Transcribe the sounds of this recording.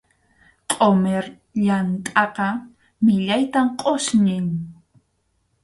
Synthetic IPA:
qʼomeɾ | ʎant̪ʼɑqɑ | mɪʎajt̪amqʼosnɪŋ

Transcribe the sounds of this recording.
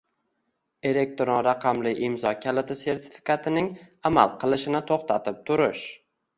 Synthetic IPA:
e̞le̞k̚t̪ɾɒɾaqʰɑmlɪʔɪmzɒkʲʰalɪt̪ʰɪse̞ɾt̪ʰɪ̥fɪ̥kʰat̪ʰɪnɪŋama̰lˠqʰɨlˠɪʃɪnɪt̪ʰoχt̪ʰat̪ʰɪp̚t̪ʰʊɾɪʃ

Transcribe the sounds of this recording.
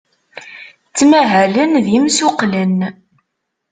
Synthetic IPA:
t͡sːmæɦælənðimsʊqlən

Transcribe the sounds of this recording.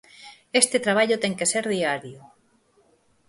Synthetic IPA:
est̪et̪ɾaβ̞aʎʊt̪ɛŋkeseɾðiaɾjo

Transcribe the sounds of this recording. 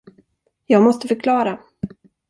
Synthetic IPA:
jɑːɡmɔst̪əfœɾkʰlɑːɾa

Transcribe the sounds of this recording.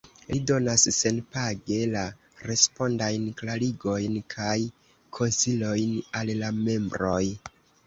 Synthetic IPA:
lido̞nasːe̞npaɡe̞la | ɾe̞spo̞ndajnklaɾiɡo̞jnkʰaj | kʰo̞nsilo̞jnalːame̞mbɾo̞j

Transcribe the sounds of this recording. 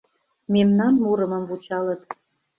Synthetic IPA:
memnɑnmuɾə̆mə̆mvut͡ɕɑlɤ̆t̪

